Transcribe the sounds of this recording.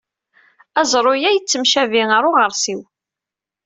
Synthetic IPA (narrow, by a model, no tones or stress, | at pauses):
æzˤɾˤojæjət͡sːəmʃæviŋəɾˤoʁəɾˤsiw